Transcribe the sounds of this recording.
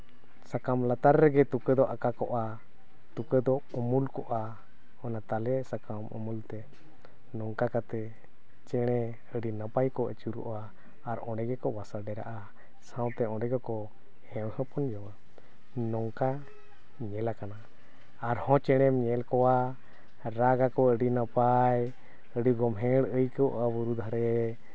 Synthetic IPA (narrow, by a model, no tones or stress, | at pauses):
sakamlat̪aɾːɛɡɛt̪ukəd̪ɔʔakakɔʔa | t̪ukəd̪ɔɔmulkɔʔa | ɔnat̪alɛsakamɔ̰mult̪ɛ | nɔŋkakat̪ɛ | t͡ʃɛɽ̃ɛ | əɖinapajkɔʔɛt͡ʃuɾṵʔaː | ɾɔ̃ɖɛɡɛkɔbasaɖɛɾa̰ʔa | sãwt̪ɛɔ̃ɖɛɡɔkɔ | hɛ̃whəpɔnd͡ʒɔwa | nɔŋka | ɲɛlakanaː | ɾhɔ̃t͡ʃɛɽ̃ɛmɲɛlkɔwa | ɾaɡakɔəɖinapaj | əɖiɡɔmɦɛ̃ɽəjkɔʔabuɾud̪ʱaɾɛ